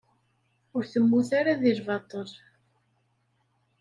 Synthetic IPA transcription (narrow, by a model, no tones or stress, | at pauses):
ʊɾθəmːuθaɾaðiɾvɑt̪ˤəl